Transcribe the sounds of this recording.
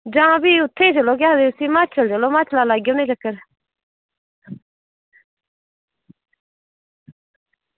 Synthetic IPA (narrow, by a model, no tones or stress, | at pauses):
d͡ʒãːbiːʊt̪ʰːẽːd͡ʒəloːk̬jaːd̪eusimaːt͡ʃʰəld͡ʒəloːmaːt͡ʃʰlaːlaːɡjoːnẽːd͡ʒɐkəɾ